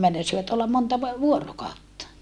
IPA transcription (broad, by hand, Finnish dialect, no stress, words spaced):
meinɑsiʋɑt olːɑm montɑ ʋ ʋuorokɑotːɑ